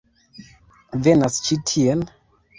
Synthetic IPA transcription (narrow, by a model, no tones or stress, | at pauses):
venast͡ʃitʰiɛn